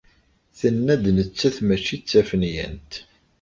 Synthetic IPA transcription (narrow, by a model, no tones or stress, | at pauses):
θənːæd̪nət͡sːæθmæt͡ʃit͡sːæfənjæ̰nt̪